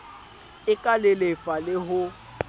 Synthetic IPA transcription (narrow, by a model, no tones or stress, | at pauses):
ɪkʼalɪlefalɪɦʊ